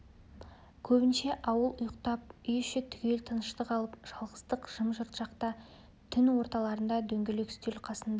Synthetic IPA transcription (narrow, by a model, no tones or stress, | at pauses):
kʲʰɵbɪnʃe̞ʔɑwəlˠʊjəq̚t̪ɑp̚ʏjɪʃɪt̪ʰʏ̥kʲe̞lt̪ʰənəʃt̪əqʰɑlˠəpʒ̥ɑlˠʁəst̪əqʒ̥əmʒəɾt̪ʒ̥ɑqt̪ɑ | t̪ʰʏnwo̞ɾt̪ɑlˠɑɾənd̪ɑd̪ɵŋɡʲelekst̪elqʰɑsənd̪ɑ